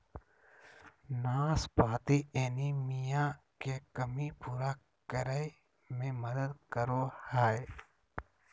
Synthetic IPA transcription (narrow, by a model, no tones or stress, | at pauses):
naːspaːt̪ieːnimijakekəmipuːɾa | kəɾəj | mẽməd̪əd̪kəɾohaːe